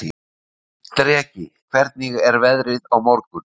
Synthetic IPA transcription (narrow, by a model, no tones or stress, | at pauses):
t̪ɾɛːcɪkʰvɛɾt̪̚niɣɛɾvɛðɾɪðawmɔɾkʏn